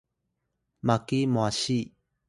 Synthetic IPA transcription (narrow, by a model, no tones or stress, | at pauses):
makimwaɕi